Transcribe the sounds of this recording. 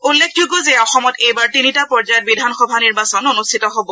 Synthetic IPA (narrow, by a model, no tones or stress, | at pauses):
ulːekʰd͡ʒuɡɔzeɔxɔmɔtejbaɹtinitapɔɹzajɔt̚bidʱanxɔbʱaniɹbasɔnonustʰitɔɦobɔ